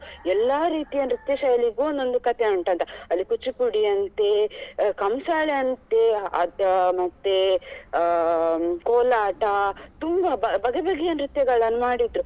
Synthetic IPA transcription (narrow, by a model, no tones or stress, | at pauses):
ɛlːaːɾiːt̪ijɐnɾit̪jɐʃɐjɐliɡuːond̪o̞nd̪ukɐt̪ʰeuɳʈɐnt̪ɐɐlːikut͡ʃːipuɽiɐnt̪ekɐmsaːɭeɐnt̪eɐmɐt̪ːe | koːlaːʈɐt̪umbɐbɐbɐɡebɐɡɛjɐnɾit̪jɐɡɐɭɐnmaːɽid̪ɾu